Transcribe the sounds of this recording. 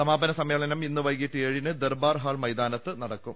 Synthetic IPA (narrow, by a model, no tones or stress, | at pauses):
sɐmaːbɐnɐsɐmːeːɭɐnɐminːɨʋɐjkiʈːɨeːɻinɨd̪erbaːrɦaːɭmɐjd̪aːnɐt̪ːɨnɐɽɐkːum